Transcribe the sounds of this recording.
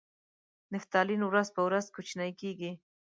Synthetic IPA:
nɪft̪ɑlinwɾazpəwɾazkut͡ʃnajkeɡi

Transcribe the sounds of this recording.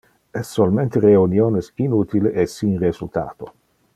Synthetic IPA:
ɛsːolmẽnt̪ereunjoːnesinut̪ileʔesinrezult̪a̰ːt̪o

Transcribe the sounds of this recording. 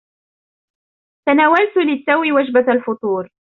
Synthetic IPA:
t̪anaːwalt̪ʊlɪt̪ːawiwad͡ʒbaalfʊt̪ˤuːɾ

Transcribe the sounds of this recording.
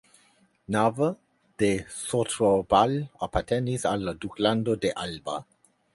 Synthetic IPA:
navə | d̪̥esot̪ɾobalapat̪ɛnisalad̪ukland̪od̪eʔalba̰

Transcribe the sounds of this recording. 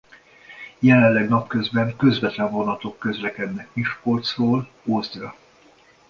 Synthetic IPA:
jɛlɛllːɛɡnɒpkø̞zbɛŋkø̞zvɛt̪lɛɱvo̞nɒt̪o̞kːø̞zlɛkɛd̪nɛkmiʃkort̪sroːl | oːzd̪rɒ

